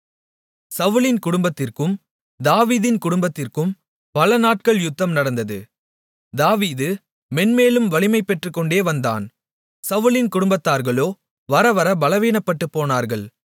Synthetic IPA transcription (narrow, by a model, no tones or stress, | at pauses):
sɐʋɯlɪnkʊɽʊmbɐt̪ːɪrkɯm | d̪aːʋiːðɪnkʊɽʊmbɐt̪ːɪrkɯm | pɐlɐnaːʈ̚kɐɭjʊt̪ːɐmnɐɽɐnd̪ɐðɯ̰ | d̪aːʋiːðɯ | mɛnmeːlɯmʋɐlɪmɐɪpːɛʈrɯkːɔɳɖeːʋɐnd̪a̰ːn | sɐʋɯlɪnkʊɽʊmbɐt̪ːaːɾɣɐɭoː | ʋɐɾɐʋɐɾɐbɐlɐʋiːnɐpːɐʈːɯpːoːnaːɾɣɐɭ